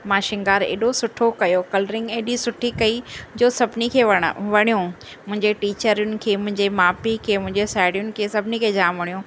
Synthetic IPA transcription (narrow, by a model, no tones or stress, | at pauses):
mãːʃɪ̃ŋɡaːɾḛːɗosʊʈʰokɐjokɐlɾɪ̃ŋɡeːɗisʊʈʰikɐid͡ʑoːsɐbʱnikʰeːʋɐʋɐɽ̃ijũ | mʊ̃ɦɪ̃ɲd͡ʑeʈiːt͡ɕəɾijʊnɪ̆kʰeːmʊ̃ɦɪ̃ɲd͡ʑemaːpikʰeːmʊ̃ɦɪ̃ɲd͡ʑesaːɽjʊnɪ̆kʰeːsɐbʱɪnikʰeːd͡ʑaːmʋɐɽijũː